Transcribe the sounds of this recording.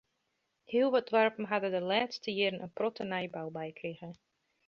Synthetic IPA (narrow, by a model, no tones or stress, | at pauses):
hiəlˠʋɔt̚dʋarpn̩ɦadədəlaːtstəjɪːɾənə̰nprɔtənɛjbawbɛjkriɣə